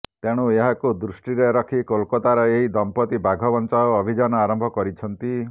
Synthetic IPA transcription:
t̪eɽ̃ueɦakud̪ɾusʈiɾeɾɔkʰikolkɔt̪aɾɔeɦid̪ɔmpɔt̪ibʱaɡʱɔbɔnt͡ʃaɔːbʱid͡ʒanɔaɾɔmbʱɔkɔɾit͡ʃʰɔnt̪i

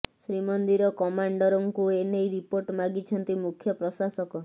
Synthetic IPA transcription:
sɾimɔnd̪iɾɔkɔmaɳɖɔɾɔŋkuenejɾipoɾʈmaɡit͡ʃʰɔnt̪imukʰjɔpɾɔsasɔkɔ

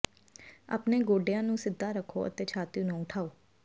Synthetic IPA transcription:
a̰ːpneːɡoːɖejãːnũːsɪd̪ʱːaːɾəkʰːo̰ːʔə̰t̪eːt͡ʃʰaːt̪iũːnũːʊʈʰaːoː

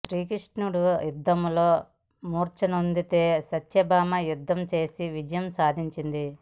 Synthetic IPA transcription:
sɾiːkɾiʂʈnuɽujud̪ʱːɐmlo̞ː | muːɾt͡ʃɐnund̪it̪e̞ːsɐt͡ʃjɐbaːmɐjud̪ʱːɐmt͡ʃe̞ːsiʋid͡ʒɐjɐmsaːd̪ʱiɲt͡ʃind̪i

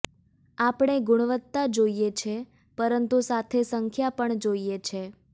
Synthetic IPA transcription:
apɳ̃eɡʊɽ̃ʋət̪ːad͡ʒoijet͡ʃʰe | pəɾənt̪usat̪ʰesəŋkʰjapəɳd͡ʒoijet͡ʃʰe

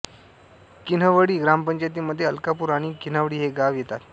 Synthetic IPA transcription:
kin̤əʋəɽiːɡɾampəɲt͡ɕajt̪̬iːməd̪ʱjeəlkapuːɾaɽ̃iːkin̤aʋəɽiːɦeɡaʋjet̪at̪

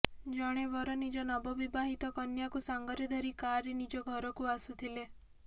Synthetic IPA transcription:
d͡ʒɔɽ̃ebɔɾɔnid͡ʒɔnɔbɔbibaɦit̪ɔkɔnjakusaŋɡɔɾjɔd̪ʱɔɾikaɾenid͡ʒɔɡʱɔɾɔkuasut̪ʰile

